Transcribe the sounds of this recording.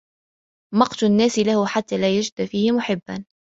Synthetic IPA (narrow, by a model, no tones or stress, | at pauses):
mɑqt̪ʊnːæːsɪlahʊħat̪ːaːlæːjad͡ʒɪd̪fiːhɪmʊħɪbːa̰n